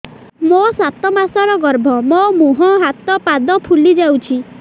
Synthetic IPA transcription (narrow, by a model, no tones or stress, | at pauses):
mosat̪ɔmasɔɾɔɡɔɾbʱɔmomuɦɔɦat̪ɔpad̪ɔpʰulid͡ʒawt͡ʃʰi